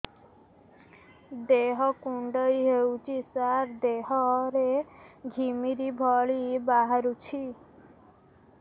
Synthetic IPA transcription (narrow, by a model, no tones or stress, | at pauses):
d̪eɦɔkuɳɖəjɦewt͡ʃʰisaɾd̪eɦɔɾeɡʱimiɾibʱɔɭibaɦaɾut͡ʃʰi